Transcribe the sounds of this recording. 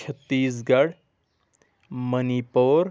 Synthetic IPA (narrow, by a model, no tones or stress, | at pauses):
t͡ʃʰət̪ːiːs̬ɡɐɽ | mənipoɾ